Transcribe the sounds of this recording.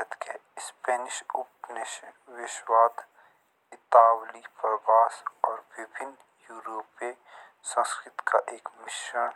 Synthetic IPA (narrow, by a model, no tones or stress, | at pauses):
ət̪kespɛːnɪʃʊpnɪʃʋɪʃwaːt̪ | ɪt̪aːwlipɐɾbaːsɔːɾbɪbʱɪn | juːɾoːpe | sɐ̃nskɾɪt̪kʰaʔeːkmɪʃən